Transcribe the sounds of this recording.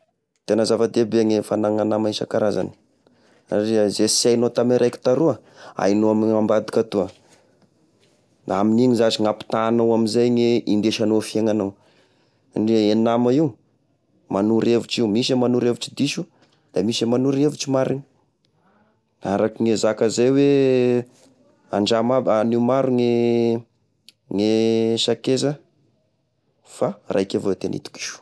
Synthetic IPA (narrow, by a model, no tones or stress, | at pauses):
t̪enəzavad̪ebeaŋefanaŋanamajnsa̰kaɾaza̰nə̥ | aɾizesajnot̪amiɾʔajki̥t̪aɾuəa̰jnoamiambad̪i̥kʲat̪uə | aminiŋizat͡ʃiŋapi̥t̪aːnawaminzajɲeind̪eʃanofiaŋanaw | ɳɖ͡ʐeenamaiw | manuɾevuʈ͡ʂiwmisəmanuɾevut͡ʃid̪iʃu | d̪̥amisəmanuɾevuʈ͡ʂimaɾini | aɾakiŋezakəzajwe | aɳɖ͡ʐamabaniumaɾuŋe | ŋeʃakezə | farʔajkevawet̪enḭt̪u̥ki̥ʃu̥